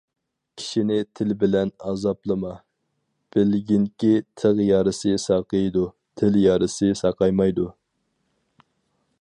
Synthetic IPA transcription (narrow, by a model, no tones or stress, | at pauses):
kʲʰi̥ʃinɪt̪ʰɪlbɪlɛnɑːzɑplˠɨmɑ | b̥ɪlɡʲinkʲit̪ʰəʁjɑɾɨsɨsɑqəjd̪u | t̪ʰɪljɑːɾɨsɨsɑqɑjmɑjd̪u